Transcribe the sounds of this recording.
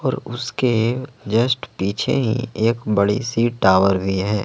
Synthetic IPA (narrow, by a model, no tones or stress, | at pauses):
ɔːɾʊsked͡ʒəsʈpiːt͡ʃʰḛɦḭ̃eːkbɐɽḭsiːʈːaːʋəɾbʱiɦɛː